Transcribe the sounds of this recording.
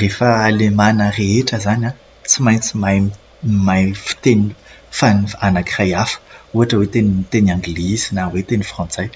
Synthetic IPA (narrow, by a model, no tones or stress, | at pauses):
refəalemanəreeʈ͡ʂəzana | t͡simajnt͡sima | majfi̥t̪enii | fanifanakirajafə̥uɦaʈ͡ʂəwet̪enimit̪enãŋɡilizinawet̪enifrɑ̃nt͡saj